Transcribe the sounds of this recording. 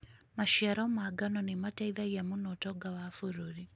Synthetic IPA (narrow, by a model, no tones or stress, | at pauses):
maʃiaɾamaɡanɔnemataiðaɣamunɔtɔɡawafuɾoɾi